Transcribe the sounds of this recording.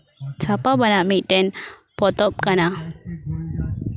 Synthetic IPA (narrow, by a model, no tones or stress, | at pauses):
t͡sʰapabənamiʈɛnpɔt̪ɔp̚kana